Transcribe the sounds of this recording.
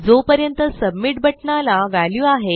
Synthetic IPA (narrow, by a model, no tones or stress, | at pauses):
d͡zopəɾjənt̪əsəbmiʈ̚bʱəʈɳalaʋaljuːaɦe